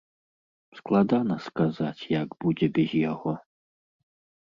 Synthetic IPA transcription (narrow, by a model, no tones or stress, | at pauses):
sklˠad̪anɐskazat͡sʲjaɡb̥ud͡zʲɛbʲɛzjaɣɔ